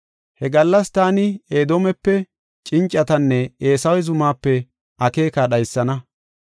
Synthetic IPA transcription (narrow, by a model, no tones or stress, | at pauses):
hɛɡɐlːɐst̪aːnɪeːd̪oːmɛpːɛ | t͡ʃʼɪnt͡ʃʼːɐt̪ɐnːɛeːsɐwɛzʊmaːpːɛ | ʔɐke̞ːkaːɗɐjsːɐnɐ